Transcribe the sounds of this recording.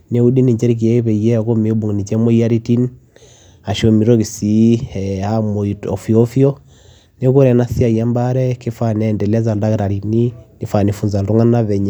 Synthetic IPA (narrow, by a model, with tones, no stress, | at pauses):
ne˨˦u˦ɗi˦ni˨ɲd͡ʒɛ˦ɾk̬i˨ɛ˦βɛ˨ijɛ˦˨ko˦me˨ɔ˦bu˨ŋ˨ni˨t͡ʃɛ˦mɔ˦i˦a˦ɾi˦ti˦n | a˨ʃɔ˨mi˨ɾɔ˦ki˨si˦ɛamɔ˨iɔ˨fi˨ɔ˦fjɔ˦ | ne˦ko˦ɾɛ˨na˦si˦a˨i˨a˦mba˦ɾɛ˦ke˦fa˦nɛ˨ndɛ˨la˦za˨lda˦kɾa˨ɾi˨ni˦ni˨fa˨ni˨fu˨nza˨ldu˦ŋa˦na˦βɛ˨ɲa˨